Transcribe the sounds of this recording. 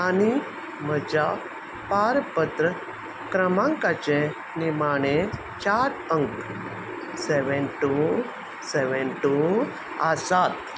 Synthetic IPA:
ani | məd͡ʑa | paɾpət̪ɾə | kɾəmãŋkat͡ɕe | nimaɽ̃e | t͡ɕaɾəŋk | seʋɛnʈu | seʋɛnʈu | asat̪

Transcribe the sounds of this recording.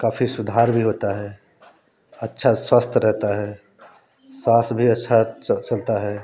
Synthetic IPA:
kaːfʰisʊd̪ʱaːɾbʱiɦoːt̪aɦɛ | ətːʃʰaswast̪ʰɾɛɦt̪aɦɛ | swaːst̪bʱiɐtːʃʰat͡ʃɐlt̪aɦɛː

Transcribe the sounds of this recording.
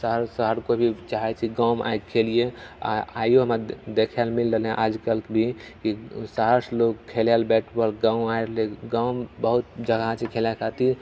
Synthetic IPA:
səɦəɾsəɦəɾkobʱit͡ʃaɦɛt͡ʃʰiɡaʊmʔa̰jɡ̚kʰelijea̰a̰joɦəməd̪ekʰalmilɾəlɦɛ̃ʔad͡ʒkəlkebʱikisaəɾsloɡ̚kʰelalbɛʈʰbəlɡãũaiɾleɡaʊmbəɦut̪̚d͡ʒəɡat͡ʃʰikʰelakʰat̪i

